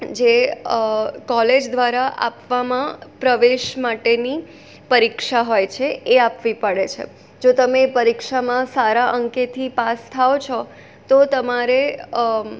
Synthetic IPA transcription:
d͡ʒe | kɔled͡ʒd̪ʋaɾaʔa̰pʋamãpɾəʋeʃmaʈeni | pəɾikʃaɦojt͡ʃʰeeapʋipəɽet͡ʃʰḛ | d͡ʒot̪əmepəɾikʃamãsaɾaʔəŋket̪ʰipast̪ʰaot͡ʃʰɔ | t̪ot̪əmaɾe

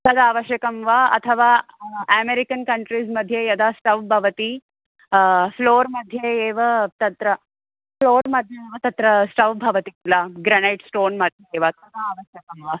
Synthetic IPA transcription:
t̪ɐd̪aːʋɐʃjɐkɐmʋaɐ̰t̪ʰɐʋaːæmeɾikɐnkɐɳʈɾiːsmɐd̪ʱːjejɐd̪asʈɐʋbʱɐʋɐt̪i | floːɾmɐd̪ʱːjeːʋɐt̪ɐt̪ɾɐ | floːɾmɐd̪ʱjeeʋɐt̪ɐt̪ɾɐsʈɐʋbʱɐʋɐt̪it̪ilaɡɾɐneʈsʈoːnmɐd̪ʱjeeːʋat̪ɐd̪aaːʋɐʃjɐkɐmʋa

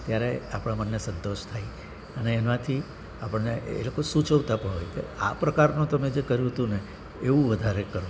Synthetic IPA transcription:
t̪jaɾeapɽ̃amənːesə̃nt̪oʃt̪ʰai | əneːnãt̪ʰi | apəɳneḛlokosũt͡ʃəʋt̪apə̃ɦojk̪ḛa̰pɾəkaɾnũt̪əmed͡ʒekəɾjũɦət̪ũne | eũʋəd̪ʱaɾekəɾõ

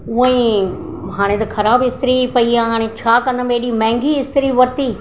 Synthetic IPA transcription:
ʊɦə̃ĩ | ɦaːɽ̃ẽt̪ɐkʰɐɾaːbɪst̪ɪɾipɐiãːɦaːɽ̃et͡ɕʰaːkɐ̃nd̪əmbeːɗimɛ̃ːŋɡiɪst̪ɪɾiʋɐɾt̪iː

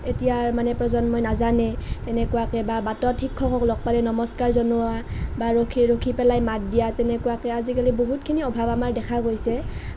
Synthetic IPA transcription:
etijaɹmanɛpɹɔzɔnmɔjnazanɛtɛnɛkuwakɛbabatɔtʰːikʰːɔkɔklɔk̚palɛnɔmɔskaɹzɔnʊabaɹokʰiɹokʰipɛlajmat̚dijatɛnɛkuwakɛazikaliboɦutkʰiniɔbʱabamaɹdɛkʰaɡojsɛ

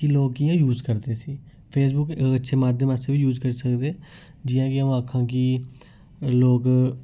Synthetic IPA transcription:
iloːkijãːjuːzkəɾd̪eːsiː | pʰeːs̬bʊkətːʃʰeːmaːd̪ʱjəməseːbiːjuːzkəɾiːsəkd̪eː | d͡ʒɪjãːkɪaũːakʰːãːkiː | loːk

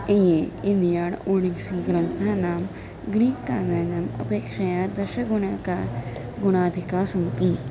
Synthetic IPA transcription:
ẽjeɪ̃nd̪ijaːɽoːɽiŋɡsiɡɾɐnt̪ʰanaːm | ɡɾiːkːaːmaːnɐmɐ̰peːkʃajad̪ɐʃɐɡʊnaka | ɡʊɽ̃aːd̪ʱɪkaːsɐmt̪i

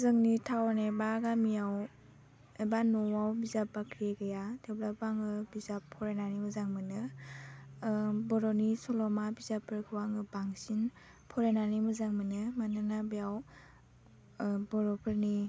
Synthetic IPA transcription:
zɯŋnitʰawnebaɡamijaw | ebanɔwawbizapbakʰɾeɡɯjatʰeblabaŋɯbizapʰːɔɾenanimɯzaŋmɯnɯ | bɔɾɔnisɔlɔmabizapʰːɯɾkʰɯwaŋɯbaŋsin | pʰɔɾenanimɯzaŋmɯnɯmanɯnabijaw | bɔɾɔpʰɯɾni

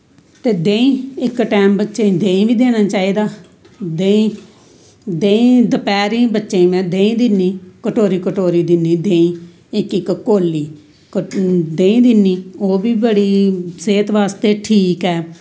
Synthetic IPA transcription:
t̪eːd̪ẽːĩːɪkʈɛːmbətːʃeĩːd̪ẽːĩːʋiːd̪eːnaːt͡ʃaːiːd̪aː | d̪ẽːĩː | d̪eːĩːd̪əpɛːɾĩːbətːʃeĩːmɛ̃ːd̪ẽːĩːd̪ɪnːĩːkəʈoːɾiːkəʈoːɾiːd̪ɪnːĩːd̪ẽːĩː | ɪkɪkkoːliː | kd̪ẽːĩːd̪ɪnːiːoːʋiːbəɽiːseːt̪ʋaːst̪eːʈʰiːkɛː

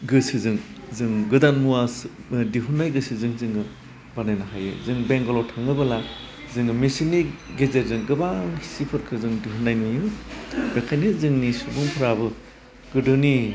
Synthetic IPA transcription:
ɡɯsɯzɯŋ | zɯŋɡɯdanmuasdiɦunːajɡɯsizɯŋzɯŋɯ | banajnaɦajɯ̰zɯŋbeŋɡolotʰaŋɯbɯla | zɯŋɯmisiniɡezeɾzɯŋɡɯbaŋsipʰɯɾkʰɯzɯŋdiɦunːajnujɯbekʰajnɯzɯŋnisubuŋpʰɯɾabɯ | ɡ̥ɯdɯni

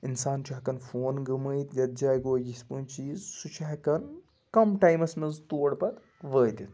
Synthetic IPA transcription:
insaːnt͡ʃʰɐɦkɐnfoːnɡɐməjt̪jɐt̪̚d͡ʒaːjɡoːjispɨːnt͡ʃiːzsut͡ʃʰɐɦkɐn | kɐmʈajmɐsmɐnzt̪oːɽpɐt̪ | ʋəːt̪it̪

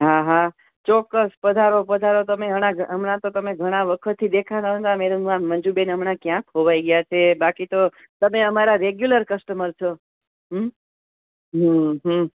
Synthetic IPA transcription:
ɦaɦa | t͡ʃɔkːəspəd̪ʱaɾopəd̪ʱaɾot̪əmeɦəɽ̃aɡəmɳat̪ot̪əmeɡʱəɽ̃aʋəkʰət̪ʰːid̪ekʰat̪aõt̪ameɾumʋãmənd͡ʒubenəmɳakjãkʰɦoʋaiɡəjat͡ʃʰebakit̪o | t̪əmeəmaɾaɾeɡjuləɾkəsʈəməɾt͡ʃʰo | ɦm | ɦəɦə

